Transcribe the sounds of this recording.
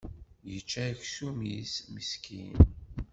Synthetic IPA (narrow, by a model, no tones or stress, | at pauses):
jət͡ʃːæçsumismiskʰḭn